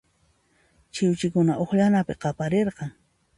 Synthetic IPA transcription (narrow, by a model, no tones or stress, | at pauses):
t͡ʃɪwt͡ʃɪkʊnaʔoχʎanapɪqɑpaɾeɾqɑŋ